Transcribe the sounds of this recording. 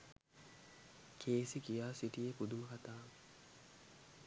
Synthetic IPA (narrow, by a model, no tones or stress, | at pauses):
kʰeːsikijaːsiʈijepud̪uməkat̪aː